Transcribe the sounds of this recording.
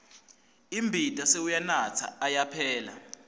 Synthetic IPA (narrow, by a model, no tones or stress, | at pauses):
imbʱitʼaseujanat͡sʰa̰ːjapʰɛːla̰